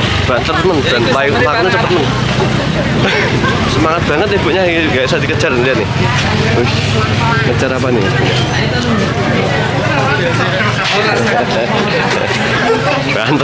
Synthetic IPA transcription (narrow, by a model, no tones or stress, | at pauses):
b̥ant̪ətmənd̥anlajupaknːat͡ʃəpət̪mən | səmaŋat̪̚b̥a̤ŋət̪ib̥uʔɲa | ɡaʔsad̪ikəd̥d͡ʒ̥a̤rnliat̪nɪh | uh | ŋət͡ʃaɾapanɪ̰ | ua̰ | b̥aant̪